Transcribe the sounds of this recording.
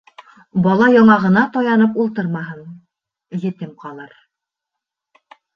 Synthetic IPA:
bɒlˠɑjɒɴɑʁɤ̆nɑt̪ɒjɑnɤp̬ulˠt̪ɤɾmɑɦɤɴ | jɘ̆t̪ɘmqɑlˠɤɾ

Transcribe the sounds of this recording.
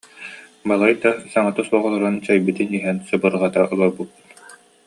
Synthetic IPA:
balˠajd̪asaŋat̪ɯsuɔʁɔlˠɔɾɯnt͡ɕajbɯt̪iniɦɛnsɯbɯɾʁɑt̪aʔɯlˠɔbutːt̪

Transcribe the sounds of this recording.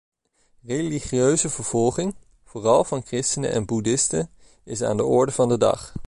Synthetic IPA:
reliχiøɥzəvəɹv̥ɔlˠχɪŋ | v̥oːrɑlˠvɑnkrɪstənə̰ʔɛ̰nbudɪstən | ɪsa̰ːndəɔɹdəvɑndədɑ̰χ

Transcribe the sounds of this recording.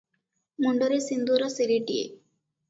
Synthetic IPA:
muɳɖɐɾesind̪uːɾɐsiliʈiḛ

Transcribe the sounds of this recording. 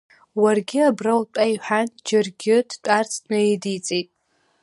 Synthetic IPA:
warɡʲɪabrawtʷʼaiħʷᶣand͡ʒɪrɡʲɪdtʷʼart͡sʰnɨedit͡sʼejtʼ

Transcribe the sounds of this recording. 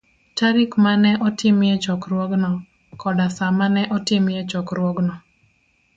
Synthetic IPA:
taɾɪkmanɛʔɔtɪmjɛt͡ʃɔkɾwɔɡnɔ | kɔdasamanɛʔɔtɪmjɛt͡ʃɔkɾwɔɡnɔ

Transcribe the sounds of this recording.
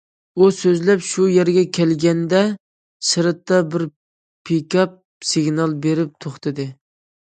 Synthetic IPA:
usøzlɛpʃujeɾɡʲɛkʲʰɛlɡʲɛnd̪ɛ | sɨɾɨt̪ːɑbɪɾ | pʰekʲɑp̚ | sɪɡʲnɑlˠbeɾɪp̚t̪ʰoχt̪ʰɨd̪ɨ

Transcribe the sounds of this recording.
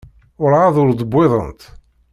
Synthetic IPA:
ʊɾaðʊɾd̪ˤəbːɪðˤə̰nt̪

